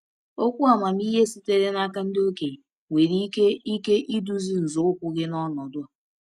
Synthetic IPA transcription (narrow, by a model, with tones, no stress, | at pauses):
o˦kʷu˦a˨ma˨m̩˦i˦ɦe˦si˦te˦ɾe˦na˦ka˦n̩˦do˦ke˨ | ŋʷe˨ɾi˦e˦i˦ke˦ʔi˦du˦zi˦˨zʊ˨˦kʷʊ˦ɡɪ˦nɔ˦nɔ˨dʊ˦a˨